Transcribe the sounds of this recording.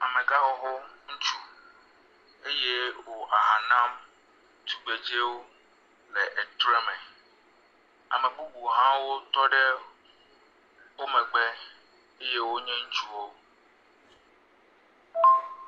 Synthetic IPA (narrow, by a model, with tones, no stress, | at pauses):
a˨mẽ˨ɡa˦ɦɔ˦ɦo˦ŋ̩˦t͡ʃu˦ | e˦je˦wo˨ʔa˨ɦã˨nã˦m | t̪u˨ɡ͡be˨d͡ʒe˦wo˦ | lɛ˨ʔɛ˨t̪ɾɛ˦mɛ̃˨ | a̰˨mɛ̃˨bu˦bu˨ɦã˦wo˦t̪ɔ˦ɖɛ˦ | wo˦mɛ̃˨ɡ͡bɛ˦ | e˦je˦wo˦ɲɛ̃˦ŋ̩˦t͡ʃu˦wo˦